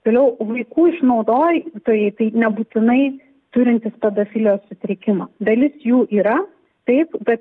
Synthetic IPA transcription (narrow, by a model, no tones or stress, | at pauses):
t̪oːlʲɛʊʋɐɪkuːɪʃnɒʊd̪oːjt̪oːjɛɪt̪ɐɪnʲɛbuːt̪ʲɪnɐɪ | t̪ʊɾʲɪnʲt̪ʲɪspʲɛd̪oːfʲɪlʲjossʲʊt̪ʲɾʲɪkʲɪmɑːd̪ɐlʲɪsjuːʔiːɾɐ | t̪ɐɪpbʲɛt̪